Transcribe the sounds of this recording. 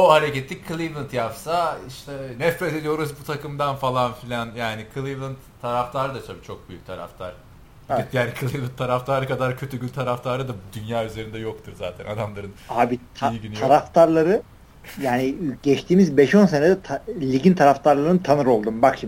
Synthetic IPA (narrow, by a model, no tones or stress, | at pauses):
ohaɾɛɟet̪ʰːickʰːɯlˠivlˠɯnt̪japsaiʃt̪ʰɛnɛfɾɛt̪ed̪ijo̞ɾuzbut̪ʰakɯmd̪anfalˠanfilʲanjaːnikʰɯlˠivɯnt̪ʰːaɾaft̪ʰaɾɯd̪at͡ʃ̪ʰabit͡ʃʰo̞k̚byjyc̚ʲt̪ʰaɾa̰ft̪ʰaɾ̥ | ɛɛjaːnikʰɯlˠivlˠɯnt̪ʰːaɾaft̪ʰaɾɯkad̪aɾcʰø̞t̪ʰyɟylʲt̪ʰaɾaft̪ʰaɾɯd̪ad̪ynjaːyze̞ɾind̪ɛjo̞kt̪ʰuɾzaːt̪ʰɛnad̪amlˠaɾɯnaːbit̪ʰajiɟyntʰaɾaft̪ʰaɾlˠaɾɯ | jaːniɟɛt͡ʃt̪ʰiːmizbɛʃo̞ns̬ened̪ɛt̪ʰalʲiɟint̪ʰaɾaft̪ʰaɾlˠaɾɯnɯt̪ʰanɯɾo̞lˠd̪umbakʃim